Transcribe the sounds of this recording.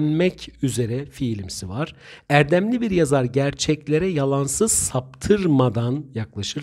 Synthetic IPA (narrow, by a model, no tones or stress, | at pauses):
nmɛcʰyze̞ɾɛfilʲimsivaɾ̥æɾd̪æmlʲibiɾjazaɾɟæɾt͡ʃʰɛclʲe̞ɾɛjalˠansɯz̥sap̚t̪ʰɯɾmad̪anjaklˠaʃɯɾ